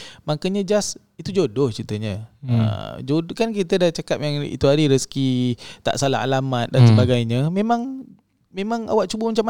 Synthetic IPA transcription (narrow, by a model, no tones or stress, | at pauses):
makəɲə̃d͡ʒas | it̪ud͡ʒodʊht͡ʃit̪əɲəə̰d͡ʒokank̬it̪ədat͡ʃakap̚jaŋḭt̪uaɾiɾəskit̪a̰ʔsala̰ɦa̰lamat̪̚dansəbaɡajɲə̃mẽmãŋ | memãŋa̰waʔt͡ʃubəmat͡ʃam